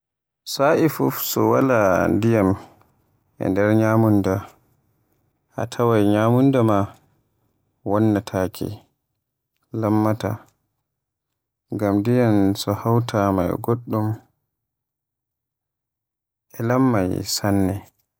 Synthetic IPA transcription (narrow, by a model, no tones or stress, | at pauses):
saʔifufsɔwa̰landijam | ʔɛ̰ndɛɾɲaːmunda | ʔa̰tʰawajɲaːmundama | wɔnːatʰaːkʰɛ̰ | lamːata̰ | ŋɡamdijansɔhawtʰama̰jɡoɗːum | ʔɛlamːajsanːɛ